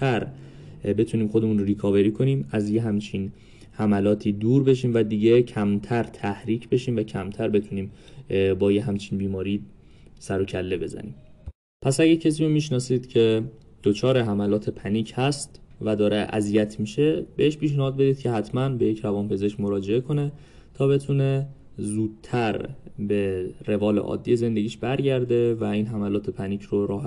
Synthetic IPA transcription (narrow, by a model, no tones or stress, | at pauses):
t̪ʰæɾ | be̞t̪ʰuniːmxod̪e̞muːnɾikʰɒːve̞ɾiːkʰo̞niːmæzjeɦæmt͡ʃʰin | hæmælɒːt̪ʰiːd̪uːɾbe̞ʃiːmvæd̪iːɟecʰæmt̪ʰæɾt̪ʰæhɾiːcʰbe̞ʃiːmvæcʰæmt̪ʰæɾbe̞t̪ʰuniːmbɒːjeɦæmt͡ʃʰinbiːmɒːɾiː | sæɾo̞cʰælːe̞be̞zæ̰nḭːm | pʰæsæɟæɾcʰes̬iːɾomiːʃnɒːsiːd̪̥cʰe̞ | d̪̥ot͡ʃʰɒːɾeɦæmælɒːt̪ʰe̞pʰæniːcʰhæst̪væd̪ɒːɾeʔæ̰zijæt̪ʰmiːʃe̞beheʃpiːʃnæhɒːd̪̚be̞d̪iːd̪̥̚cʰe̞ɦæt̪ʰmænbe̞je̞cʰɾævɒːnpʰe̞ze̞ʃkmo̞ɾɒːd͡ʒe̞ekʰo̞ne̞ | t̪ʰɒːbe̞t̪ʰune̞ | zuːd̪̥̚t̪ʰæɾbere̞vɒːlḛʔɒ̰ːd̪ːije̞ze̞nd̪e̞ɡʲiːʃbæɾɟæɾd̪e̞væiːnɦæmælɒːt̪ʰe̞pʰæniːcʰɾoɾɒːɦ